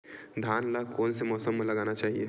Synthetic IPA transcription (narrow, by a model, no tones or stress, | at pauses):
d̪ʱanlakoːnsemɔːsəmːləɡanat͡ʃaːɦiḛ